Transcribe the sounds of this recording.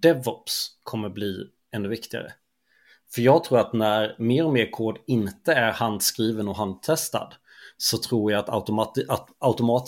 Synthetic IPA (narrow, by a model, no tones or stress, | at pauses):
d̪̥ɛvɔpskʰɔmːəɾbliː | ɛnd̪ɵvɪkt̪ɪɡa̰ɾə̰ | fœɾjɑːɡt̪ʰɾuːɾat̪næɾmeːɾɔmeːɾkʰoːd̪ɪnt̪əæɾhand̪skɾiːvənɔɦand̪̚t̪ʰɛst̪a̰d̪ | sɔt̪ʰɾuːɾjɑːt̪a̰ʔat̪aʊt̪ʊmɑːt̪